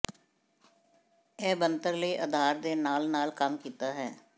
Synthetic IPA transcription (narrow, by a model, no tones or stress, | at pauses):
ɛːbənt̪əɾləiːʔəd̪ʱaːɾd̪eːnaːlnaːlkəmkiːt̪aːɦɛː